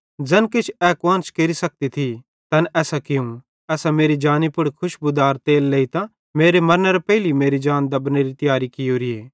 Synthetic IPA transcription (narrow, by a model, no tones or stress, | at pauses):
d͡ʒɐnkɪt͡ʃʰɛːkwãːnt͡ʃkeːɾisɐk̚t̪it̪ʰi | t̪ɐnɛːsakɪũ | ɛːsameːɾid͡ʒaːnipʊɽkʰʊʃbʊd̪aːɾt̪eːlːeːit̪ã | meːɾemɐɾnəɾepɛɦlimeːɾid͡ʒaːnd̪ɐbneɾit̪ɐjaːɾikɪjoɾieː